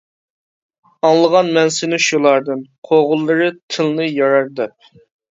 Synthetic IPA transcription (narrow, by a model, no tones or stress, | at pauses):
ɑŋlˠəʁɑnmɛnsɪnɨʃulˠɑɾd̪ɨnqʰoʁʊlˠːɨɾɨt̪ʰɨlˠnɨjɑɾɑɾd̪ɛp̚